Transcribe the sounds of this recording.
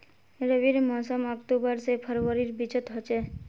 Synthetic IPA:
ɾəʋiɾmɔsəmɔkʈ̪ubəɾsepʰəɾʋəɾiɾbit͡ʃət̪ɦɔt͡ʃe

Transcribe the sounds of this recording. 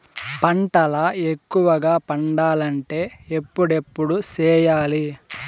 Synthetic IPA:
pɐɳʈɐlɐekːuʋɐɡaːpɐɳɖaːlɐɳʈe̞ːepːuɽe̞pːuɽut͡ʃɛːjaːli

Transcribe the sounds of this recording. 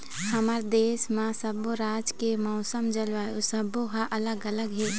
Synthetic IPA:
həməɾd̪eːsmãsəboɾaːd͡ʒkemɔʊsəmd͡ʒəlʋaːjosəboɦaʔələɡələɡɦe

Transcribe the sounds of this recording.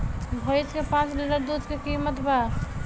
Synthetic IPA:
bʱojt͡ʃkepãt͡ʃliʈəɾd̪ud̪kekimət̪ba

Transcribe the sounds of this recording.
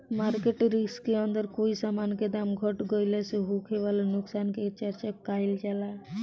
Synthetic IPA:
maɾkeʈɾiskeənd̪əɾkoisamanked̪amɡʱɔʈɡɔjleseɦukʰeʋalanʊksanket͡ʃəɾt͡ʃakailt͡ʃala

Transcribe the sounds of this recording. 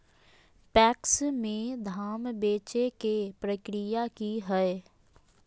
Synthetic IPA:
pɛːksmẽd̪ʱaːmbeːt͡ʃekepɾəkɾɪjakiɦɛɛ

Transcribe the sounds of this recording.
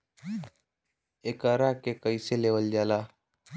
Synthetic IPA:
ekaːɾakekəiseleːwəld͡ʒaːlaː

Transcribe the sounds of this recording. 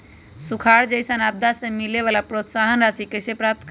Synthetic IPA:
sukʰaɾd͡ʒəjsənab̚d̪asẽmileβalapɾot̪saɦənɾasikesepɾap̚t̪k

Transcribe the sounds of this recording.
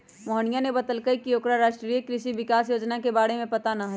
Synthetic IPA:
mɔɦəɳijanebɐt̪əlkəikioːkɾaɾaːʃʈɾiːjəkɾɪʃiʋɪkaːsjoːd͡ʒnakebaːɽemẽpɐt̪anɐɦ

